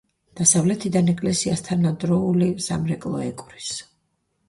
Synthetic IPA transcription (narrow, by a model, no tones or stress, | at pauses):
d̪̥asavlɛt̪ʰid̪anɛkʼlɛsiast̪ʰanad̪ɾɔulisa̰mɾɛkʼlˠɔɛkʼuɾis